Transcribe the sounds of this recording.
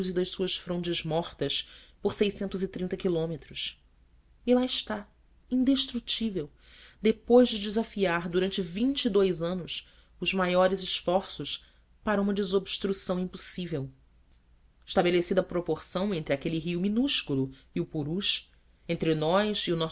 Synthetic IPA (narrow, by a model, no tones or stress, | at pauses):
zɪd̪ɐʃsuɐsfɾõd͡ʒɪzmɔχt̪ɐspoɾsejsẽnt̪ʊzɪt̪ɾĩnt̪ɐkilõmet̪ɾʊs | ɪlaɪʃt̪a | ĩd̪eʃt̪ɾut͡ʃivew | d̪epojzd͡ʒɪd͡ʒɪzafiaɾd̪uɾɐ̃nt͡ʃɪvĩt͡ʃɪːd̪ojzɐ̃nʊs | ʊzmajɔɾɪzɪʃfɔɾsʊʃ | paɾɐũmɐd͡ʒɪzobʃt̪ɾusɐ̃w̃ĩpusivew | ɪʃt̪abelesid̪ɐːpɾopoχsɐ̃w̃ẽnt̪ɾɪakeliɦiuminuʃkulˠuiʊpuɾuʃ | ẽnt̪ɾɪnɔjziʊnɔ